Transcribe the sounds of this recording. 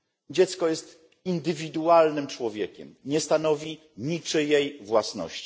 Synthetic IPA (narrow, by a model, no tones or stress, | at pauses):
d͡ʑɛt̪skɔjɛst̪ | ind̪ɘvʲid̪ualnɘmt͡ʂwɔvʲjɛkʲɛ̰mɲɛst̪anɔvʲi | ɲit͡ʂɘjejvwasnɔ̰ɕt͡ɕi̥